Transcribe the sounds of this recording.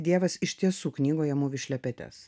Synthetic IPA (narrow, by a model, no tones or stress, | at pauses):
d̪ʲiɛʋɐsɪʃʲt̪ʲiɛsuːknʲiːɡoːjɛmʊʋʲɪʃʲlʲɛpʲɛt̪ʲɛ̰s